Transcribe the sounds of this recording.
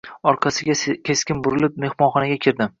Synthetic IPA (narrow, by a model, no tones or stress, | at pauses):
ɒɾqʰɑsɪɡʲakʲʰe̞skʲɪnbʊɾɪlɪp̚me̞hmɒnχɒnaɡʲakʲʰɪɾd̪ɪm